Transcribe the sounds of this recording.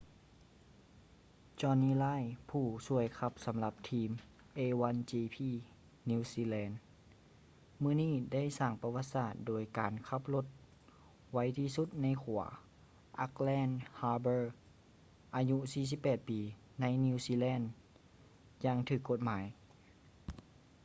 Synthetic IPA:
t͡ɕɔː˧niː˧laː˧˥˨jpʰuː˧˩su˧˩əjkʰa˧p̚sa˨˦mla˧p̚t̪ʰiː˧m | ʔeː˧wa˧˥nt͡ɕiː˧pʰiː˧˩ | niː˧siː˧lɛː˧˥n | mɯː˧˥˨niː˥˩da˥˨jsaː˧˩ŋpa˧wa˧t̪̚saː˧˩t̪̚doː˨˩jkaː˨˩nkʰa˧˥p̚lo˧˥t̪̚ | wa˧˥jt̪ʰiː˧su˧˥t̪̚na˧˥˨jkʰu˨˩˦ɐ | ʔa˧˥k̚lɛː˧˥˨nhaː˧bɤː˧˩ | ʔaː˧ɲu˧siː˧˩s̬i˧˥pːɛː˨˩t̪̚piː˨˩ | na˧˥jni˧siː˧lɛː˧˥˨n | jaː˧ŋt̪ʰɯː˧˩kːo˧˩t̪̚maː˨˦j

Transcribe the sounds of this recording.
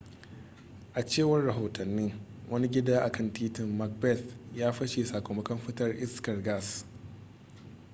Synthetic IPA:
ʔa˨t͡ʃeː˦˨wɐ˦rɽɐ˨ɦoː˨tʰɐ˨nːɪ˦ŋ | wʔɐ˦ni˦ɡʲɪ˦daː˦ʔa˨kɐ˦˨ntiː˦tɪ˨mːɐ˦k̚bɛ˦˨θjaː˦ɸɐ˦ʃe˨saː˨kʷoː˨mɐ˦kɐ˦mɸɪ˦tɐ˦rʔɪ˦skɐ˨rɡa˦˨s

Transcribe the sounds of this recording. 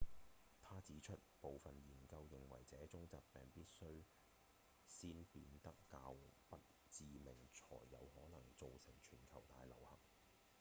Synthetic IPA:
t̪ʰaː˥t͡siː˨˥t͡ʃʰɵ˥t̚po˨wfɐ˨njiː˨˩nkɐ˧wjɪ˨˩ŋwɐ̰˨˩jt͡sɛː˨˥t͡sʊ˥ŋt͡saː˨p̚pɛː˨ŋpiː˥t̚sɵ˥ɥ | siː˥npiː˧nt̪ɐ˥kːaː˧wpɐ˥t̚ | t͡siː˨mɪ˨˩ŋt͡ʃʰɔ̰ː˨˩jːɐ̰˨˧whɔː˨˥nɐ˨˩ŋt͡so˨wsɪ˨˩ŋt͡ʃʰyː˨˩nkʰɐ˨˩wt̪aː˧jlɐ̰˨˩whɐ̰˨˩k̚

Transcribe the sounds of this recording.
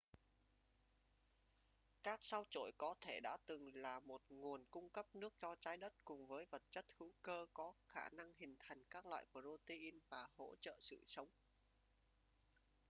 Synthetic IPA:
kaː˦˥k̚sa˧wt͡ɕo̰˧˩jkɔ˨˦t̪ʰe˧˩ɗa̰ː˧˥t̪ɨ˨˩ŋlaː˨˩mo˨˩t̚ŋu˨˩ənkʊ˧ŋ͡mkə˦˥p̚nɨ˦˥ək̚t͡ɕɔ˧t͡ɕaː˨˦jɗə˦˥t̚kʊ˨˩ŋ͡mvəː˨˦jvə˨˩t̚t͡ɕə˦˥t̚hɨ̰˧˥wkəː˧kɔ˨˦xaː˧˩na˧ŋhï˨˩ŋ̟t̪ʰa˨˩jŋ̟kaː˦˥k̚lwa̰ː˧˨jku˧˩əzo˧t̪e˧ʔi˧nvaː˨˩ho̰˧˥t͡ɕə̰ː˧˨sɨ̰˧˨sə˨˦wŋ͡m

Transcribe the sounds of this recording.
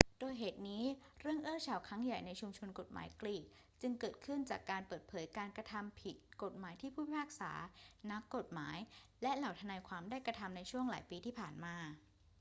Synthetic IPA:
d̥oː˧jɦeː˨˩t̪̚niː˦˥ɾɯ˥˩əŋʔɯː˥˩t͡ɕʰaː˨˩wkʰɾa˦˥ŋja˨˩jna˧jt͡ɕʰu˧mt͡ɕʰo˧nko˨˩t̪̚ma̰ː˩˦jkliː˨˩t̪̚ | t͡ɕɯ˧ŋkɤː˨˩t̪̚kʰɯ˥˩nt͡ɕaː˨˩kːaː˧npɤː˨˩t̪̚pʰɤː˩˦jkaː˧nkɾa˧t̪ʰa˧mpʰi˨˩t̪̚ko˨˩t̪̚maː˩˦jt̪ʰiː˥˩pʰuː˥˩˥pʰaː˥˩k̚sa̰ː˩˦na˦˥kːo˨˩t̪̚maː˩˦jlɛ˦˥ʔla˨˩wt̪ʰa˧naː˧jkʰwaː˧mdaː˥˩jkɾa˧t̪ʰa˧mna˧jt͡ɕʰu˥˩əŋlaː˩˦jpiː˧t̪ʰiː˥˩pʰaː˨˩nmaː˧

